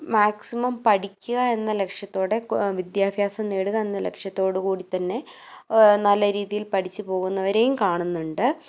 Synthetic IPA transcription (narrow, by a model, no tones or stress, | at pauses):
maːksimɐmpɐɽikʲːuɣɐe̞nːɐle̞kʂjɐt̪ːo̞ːɽe̞ʋid̪jaːbʱjaːsɐmneːɽuɣɐe̞nːɐle̞̰kʂjɐt̪ːo̞ːɽɨkuːɽit̪ːɐnːe̞ | nɐlːɐɾiːðijilpɐʈʰit͡ɕːɨpo̞ːɣunːɐʋɐɾe̞jumkaːɳunːuɳɖɨ